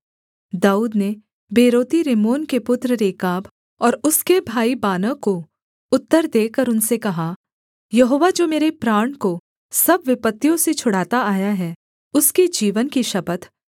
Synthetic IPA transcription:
d̪aːuːd̪ne | beːɾoːt̪iɾemoːnkepʊt̪ɾəɾeːkaːb | ɔːɾʊskebʱaːibaːnəko | ʊt̪ːəɾd̪eːkəɾʊnsekɐɦa | jɐɦoːʋad͡ʒoːmeːɾepɾaːɳ̃ko | sɐbʋɪpət̪ːijõset͡ʃʰʊɽ̤aːt̪aaːjaɦɛ | ʊsked͡ʒiːʋənkiʃɐbət̪ʰ

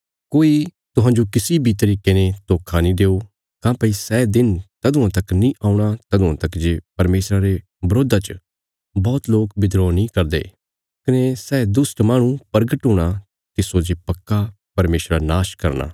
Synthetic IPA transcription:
koːi | t̪ʊɦãːd͡ʒokɪsibʱit̪ɐɾiːkenet̪oːkʰanĩd̪eːo | kãːpɐisɛːd̪ɪnt̪ɐd̪ʊ̃ãt̪ɐknĩʔaːuɽ̃at̪ɐd̪ʊãt̪ɐkd͡ʒeːpɐɾmeːsɾaɾe | bɐɾoːd̪at͡ʃ | bɔːt̪loːkbɪd̪ɾɔːnĩkɐɾd̪ḛː | kɐnesɛːd̪ʊsʈmaːɽ̃ũpɐɾɡəʈɦoːɽ̃a | k̪isoːd͡ʒepɐkːa | pɐɾmeːsɾanaːʃkɐɾna̰ː

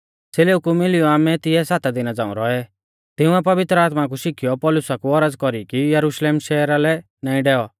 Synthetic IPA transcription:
seːleːukumɪlɪuaːmɛt̪ɪɛsaːt̪ad̪ɪnad͡zã̰ːṵ̃ɾɔɛ | t̪ɪuɛpɐʋɪt̪ɾəaːt̪mak̬uʃɪkʰijɔpɔːlʊsakuɔɾəd͡zkɔɾikijɐɾuʃleːmʃɛːɾalɛ | nãːĩɖɛːɔ

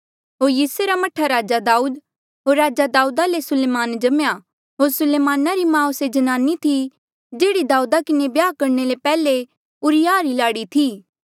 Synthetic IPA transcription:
ɦoːɾjiːsueɾamɐʈʰaɾaːd͡ʒad̪aːuːd̪ | ɦoːɾːaːd͡ʒad̪aːuːd̪alesʊleːmaːnd͡ʒɐmja | ɦoːɾsʊleːmaːnaɾimãːosed͡ʒɐnaːnit̪ʰi | d͡ʒeːɽid̪aːuːd̪akɪnebjaːkɐɾnelepɛːle | ʊɾɪjaːɾilaːɽit̪ʰiː

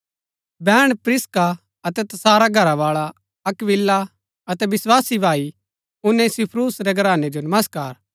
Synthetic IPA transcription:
bɛːɽ̃pɾɪska | ɐt̪ɛt̪ɐsaːɾaɡʱɐɾaʋaːɭa | ɐkʋɪlːa | ɐt̪ɛʋɪswaːsibʱaːi | ʊnːẽsɪpʰɾuːsɾɛɡɐɾaːned͡ʒonɐməskaːɾ

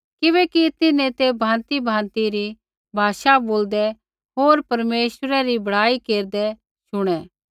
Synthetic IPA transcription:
kɪβɛkit̪ɪnẽt̪ebʱãːnt̪ibʱãːnt̪iɾi | bʱaːʃaboːld̪ɛ | ɦoːɾpɐɾmeːʃəɾɛɾibɐɽ̤aːikeːɾd̪ɛ | ʃʊɽ̃ɛː

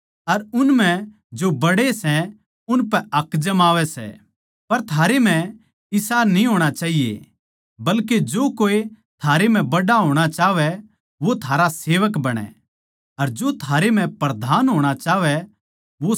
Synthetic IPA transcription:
ɐɾʊnmɛ̃ | d͡ʒobɐɽesɛ | ʊnpɛɐkd͡ʒɐmaːʋɛsɛ̰ | pɐɾt̪ʰaːɾem̤ɛ̃ | ɪsaːnĩɦoːɽ̃at͡ʃaːɦijḛ | bɐlked͡ʒoːkoːe | t̪ʰaːɾem̤ɛ̃bɐɽaɦoːɽ̃at͡ʃaːʋɛ | ʋot̪ʰaːɾaseːʋəkbɐɽ̃ɛ̰ | ɐɾd͡ʒoːt̪ʰaːɾem̤ɛ̃pɾɐd̪ʱaːnɦoːɽ̃at͡ʃaːʋɛ | ʋo

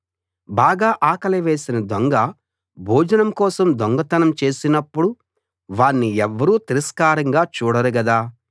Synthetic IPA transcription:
baːɡaːʔaːkɐlɐʋeːsinɐd̪ɔŋɡɐ | bʱuːd͡ʒɐnɐmkɔːsɐmd̪ɔŋɡɐt̪ɐnɐmt͡ʃe̞ːsinɐpːuɽu | ʋaːnːiɛʋːɐɾuːt̪iɾɐskaːɾɐŋɡaːt͡ʃuːɽɐɾuɡɐd̪aː

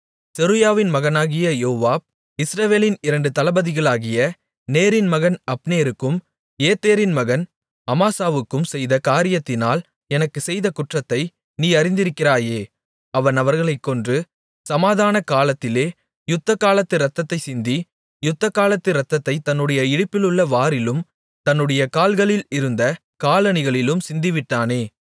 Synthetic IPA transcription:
sɛɾɯjaːʋɪnmɐɣɐnaːɣɪjɐjoːʋaːb̚ | ɪsɾɐʋeːlɪnɪɾɐɳɖɯt̪ɐlɐbɐðɪɣɐɭaːɣɪjɐ | neːɾɪnmɐɣɐnɐpːneːɾɯkːɯm | eːt̪ːeːɾɪnmɐɣɐn | ɐmaːsaːʋɯkːɯmsɛjðɐkaːɾɪjɐt̪ːɪnaːl | ɛnɐkːɯsɛjðɐkʊʈrɐt̪ːɐɪ | niːɐɾɪnd̪ɪɾɯkːɪraːjeː | ɐʋɐnɐʋɐɾɣɐɭɐɪkːɔndrɯ | sɐmaːðaːnɐkaːlɐt̪ːɪleː | jʊt̪ːɐkaːlɐt̪ːɯɾɐt̪ːɐt̪ːɐɪsɪnd̪i | jʊt̪ːɐkaːlɐt̪ːɯɾɐt̪ːɐt̪ːɐɪt̪ːɐnːɯɽɐjɐɪɽɯpːɪlɯɭːɐʋaːɾɪlɯm | t̪ɐnːɯɽɐjɐkaːlɣɐɭɪlɪɾɯnd̪ɐ | kaːlɐnɪɣɐɭɪlɯmsɪnd̪ɪʋɪʈːaːneː

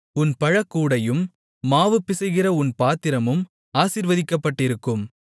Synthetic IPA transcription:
ʊnpɐɻɐkːuːɽɐjɯmː | aːʋɯpːɪsɐɣɪrɐʊnpaːt̪ɪɾɐmɯm | aːsiɾʋɐðɪkːɐpːɐʈːɪɾɯkːɯm

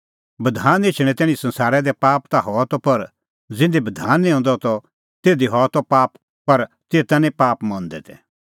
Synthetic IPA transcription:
bɐd̪ʱaːneːt͡ʃʰɽ̃ɛ̃t̪ɛːɽ̃ĩsɐ̃nsaːɾɛd̪ɛpaːpt̪aɦɔt̪ɔpɐɾ | d͡zɪ̃nd̪ibɐd̪ʱaːnːĩɔ̃ːnd̪ɔt̪ɔ | t̪eːd̪iɦɔt̪ɔpaːp | pɐɾ | t̪eːt̪ãnĩpaːpmɔ̃nd̪ɛt̪ʰɛ

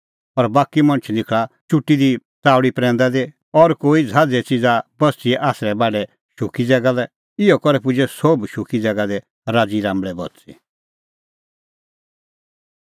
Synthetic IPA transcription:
ɔɾbaːkimɐ̃nət͡ʃʰnɪkʰɭat͡ʃʊʈːid̪it͡saːʋɽipɾɛ̃ːnd̪ad̪e | ɔɾkoːid͡zʱaːd͡zɛt͡sid͡zabɐst͡siɛʔaːsɾɛbaːɖɛ | ʃʊkid͡zɛɡalɛ | ɪɔkɔɾɛpʊd͡ʒɛsobʃʊkid͡zɛɡad̪ɛ | ɾaːd͡ziɾãːmbɭɛbɔ̰tt͡sḭ

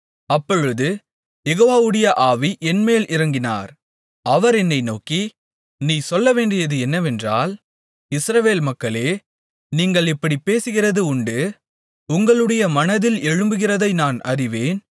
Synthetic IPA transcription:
ɐpːɔɻɯðɯ | jɛɣoːʋaːʋɯɽɐjɐʔaːʋiʔɛnmeːlʔɪɾɐŋɡɪna̰ːɾ | ɐʋɐɾɛnːɐɪnoːki | niːsɔlːɐʋeːɳɖɪjɐðɯɛnːɐʋɛndra̰ːl | ɪsɾɐʋeːlmɐkːɐɭeː | niːŋɡɐɭɪpːɐɽipeːsɯɣɪrɐðɯʊɳɖɯ | ʊŋɡɐɭɯɽɐjɐmɐnɐðɪlɛɻɯmbɯɣɪrɐðɐɪnaːnɐ̰rɪʋeːn

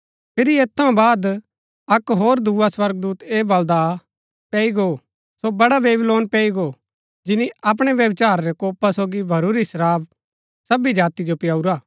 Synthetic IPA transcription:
pʰɪɾieːt̪ʰːɐũbaːd̪ | ɐkɦoːɾd̪ʱuːaswɐɾɡ̚d̪uːt̪eːbɐld̪a | pɛːiɡo | sobɐɽaʋeːbloːnpɛːiɡoː | d͡ʒɪniɐp̬ɽ̃eʋjɐbt͡ʃaːɾɾɛkoːpasoːɡibʱɐɾuːɾisəɾaːb | sɐbid͡ʒaːt̪id͡ʒopɪjaːuɾaː

